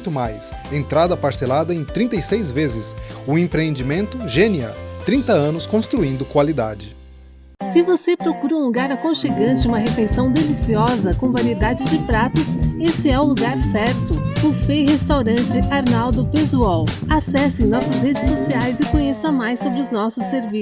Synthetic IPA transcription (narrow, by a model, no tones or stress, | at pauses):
t̪ʊmajs | ẽnt̪ɾad̪ɐpaɾselad̪ɐẽj̃t̪ɾĩnt̪ejsejzvezɪsʊẽpɾeẽnd͡ʒimẽnt̪ʊʒẽniɐ̰t̪ɾĩnt̪ɐɐ̃nʊskõst̪ɾuĩnd̪ʊkwalid̪a̰d͡ʒɪ | sɪvosepɾokuɾɐũluɡaɾɐkõʃeɡɐ̃nt͡ʃɪũmɐɦefejsɐ̃w̃d̪elisiɔzɐkõw̃vaɾied̪ad͡ʒɪd͡ʒɪpɾat̪ʊsesɪɛʊluɡaɾsɛɾt̪ʊʊfejhest̪awɾɐ̃nt͡ʃɪaɾnawd̪ʊpezuawasɛsɪẽj̃nɔsɐshed͡ʒɪsːosiajzɪkõɲesɐmajsːobɾɪʊznɔsʊsːeɾvi